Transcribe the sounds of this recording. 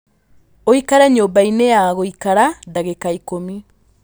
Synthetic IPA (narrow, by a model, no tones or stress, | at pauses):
oikaɾaɲobaineaɣoikaɾadaɣekaikomi